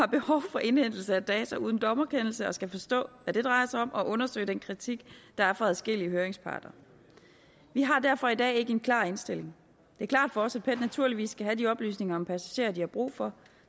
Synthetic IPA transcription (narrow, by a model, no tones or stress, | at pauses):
hɑ̈b̥e̝hɒʊfɒ̽ʔe̝nhen̰l̩səæd̥ɛːt͡sʰæʔuːð̞ˠn̩d̥ɒ̽mɐkʰen̰l̩səɒ̽sɡ̥æfɒ̽sd̥ɔ̰̽ːʋæd̥e̝d̥ʁɑ̈ɪɐsɑ̈ɪɒ̽mʔɒ̽ʔɔ̽nɐsø̰ːɪd̥enkʰʁit͡sʰiɡ̥d̥ɑæɐfɑhæðˠsɡ̥el̰iəɦøɐeŋspʰɑ̰̈ːd̥ɐ | ʋiɦɑ̈d̥æɐfɒ̽id̥ɛ̰ːe̝ɡ̥əe̝nkʰlɑ̰̈ːe̝nsd̥e̝le̝ŋ | d̥e̝æɐkʰlɑ̰̈ːd̥fɒ̽ɒ̽sæd̥̚pʰed̥næt͡sʰuɐliʋḭːsːɡ̥æɦæd̥iɒ̽b̥ly̰ːsne̝ŋɐɒ̽mpʰæsæɕe̝̰ːɐdihɑ̈b̥ʁṵːfɒ̽